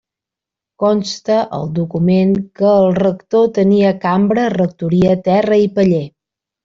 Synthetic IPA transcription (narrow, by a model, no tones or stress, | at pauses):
kɔnst̪əʔə̰lˠd̪ukumeŋkəːlˠrəkt̪ot̪əniəkambɾərək̚t̪uɾiət̪ɛrəipəʎe